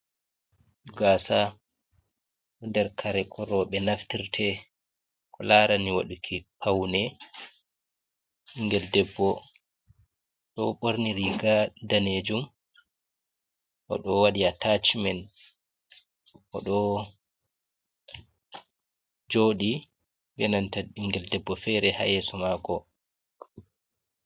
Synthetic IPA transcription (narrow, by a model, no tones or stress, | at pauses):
uɡasa | ɗɔndɛɾkʰaɾɛkʰɔɾɔɓɛnaftiɾtʰɛ | kʰɔlaɾaniwaɗukʰipʰawnɛ | iŋɡɛldɛbːɔ | ɗɔɓoɾniɾiɡadaned͡ʒum | ʔɔ̰ɗɔwaɗiatat͡ʃmɛn | ʔɔ̰ɗɔ | d͡ʒoːɗi | bɛnantaiŋɡɛldɛbːɔfɛɾɛha̰jɛsɔmaːkɔ